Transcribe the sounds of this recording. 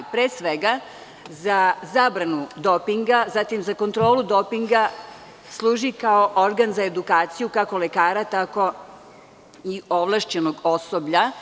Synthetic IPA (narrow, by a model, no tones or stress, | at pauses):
pɾeːsʋeɡa | zazaːbɾanud̪opiŋɡazat̪imzako̞nt̪ɾo̞ːlud̪opiŋɡa | slˠuːʒikaoʔoɾɡanzaed̪ukaːt̪sijukako̞lekaːɾat̪ako̞ | io̞ʋlˠaʃt͡ɕe̞noɡo̞sobʎa